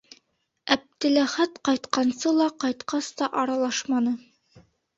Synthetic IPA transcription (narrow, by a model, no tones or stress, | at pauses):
æp̚t̪ɘ̆læχæt̪qɑjt̪qɑnsɤlˠɑqɑjt̪qɑst̪ɑʔɑɾɑlˠɑʃmɑnɤ